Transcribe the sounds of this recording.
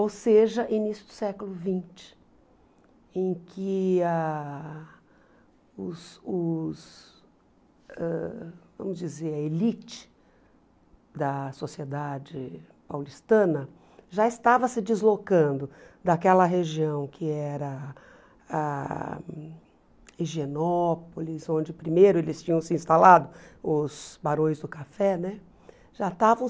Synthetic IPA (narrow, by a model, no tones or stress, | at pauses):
owseʒɐʔinisjʊd̪ʊsɛkʊlʊvĩt͡ʃɪ̥ | ẽj̃kʰɪa | ʊsʊs | ɛvɐ̰̃mʊzd͡ʒizeɾɐelit͡ʃɪ̥ | d̪ɐsosied̪ad͡ʒɪ | pawlist̪ɐ̃nɐ | ʒaɪst̪avɐsɪd͡ʒɪzlokɐ̃nd̪ʊd̪akɛlɐɦeʒiɐ̃w̃kʰɪɛɾɐ | a | iʒenɔpolisõd͡ʒɪpɾimejɾʊelɪst͡ʃĩɲɐ̃w̃sɪĩst̪alad̪ʊʊz̥baɾõj̃zd̪ʊkafɛnɛ | ʒ̥at̪avɐ̃w̃